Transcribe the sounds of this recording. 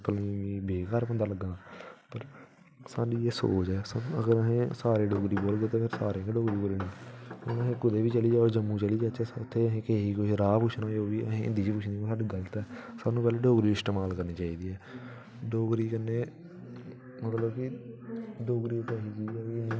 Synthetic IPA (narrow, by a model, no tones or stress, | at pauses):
pəlːʋiːbeːkaːɾpə̃nd̪aːləɡãːpəɾ | saːɖiːeːso̰ːt͡ʃɛːsanːəɡəɾəɦẽːsaːɾeːɖoːɡɾiːboːlɡeːt̪eːpʰɪɾsaːɾẽːkeɖoːɡɾiːkolenĩːonəɦẽːkʊd̪eːʋiːt͡ʃəliːd͡ʒaːoɾd͡ʒəmːũːt͡ʃəliːd͡ʒaːt͡ʃɛːʊt̪ʰːeːəɦẽːkeɦiːkoiɾaːpʊt͡ʃʰnãːeoːʋiːəɦẽːɪ̰nd̪iːd͡ʒiːpʊt͡ʃʰniːõsaːɖiːɡəlt̪ɛːsaːnũːpɛːleːɖoːɡɾiːɪst̪eːmaːlkəɾniːt͡ʃaːiːd̪iːɛː | ɖoːɡɾiːkənːeː | mət̪ləbkɪ | ɖoːɡɾiːt̪ʰːeːɦiːd͡ʒiːaːiːnː